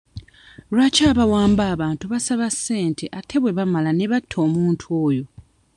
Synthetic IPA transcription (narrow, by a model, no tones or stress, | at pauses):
lwacaːβawaːmbaːβaːntuβasaβasːe̞ːntʰe̞ʔatʰe̞βwe̞βamalane̞βatʰːo̞ːmuːntʰuo̞ːjo̞